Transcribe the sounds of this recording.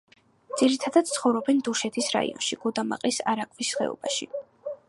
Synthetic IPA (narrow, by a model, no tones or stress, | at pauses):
d̪z̥iɾit̪ʰad̪ad̪̥̚t̪sʰχɔvɾɔbɛnd̪uʃɛt̪ʰisɾa̰ḭɔ̰nʃiɡ̥ɔd̪ama̰qʼlisa̰ɾakʼʰvisːχɛ̰ɔ̰b̥aʃi